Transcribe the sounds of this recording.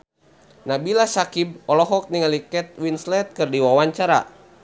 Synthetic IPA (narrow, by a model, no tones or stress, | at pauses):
nabilasakib̚ɔlɔɦɔk̚niŋalikɛt̪̚winslɛt̪̚kɨrdiwawaɲt͡ʃaɾa̰